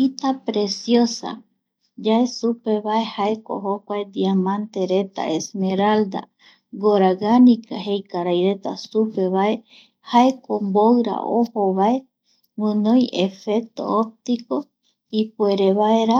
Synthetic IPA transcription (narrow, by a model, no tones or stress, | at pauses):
it̪apɾe̞sjosa̰ | d͡ʒae̞supe̞βae̞haeko̰ɦokʷaed̪iamãnt̪e̞ɾe̞t̪a̰ʔesmeɾald̪a̰ | ɡoɾaɡanikahejkaɾajɾe̞t̪a̰supe̞βae | haekombowɾa̰ohoβae | wɨ̃nõjʔefek̚t̪o̞̰op̚t̪iko̞ | ipueɾeβaeɾa